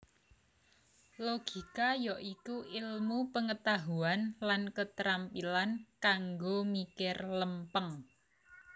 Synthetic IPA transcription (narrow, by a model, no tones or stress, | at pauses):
loɡ̥i̤kajɔʔikuʔɪlmupəŋət̪aɦuanlankət̪ɾampilankaŋɡomikɪrləmpəŋ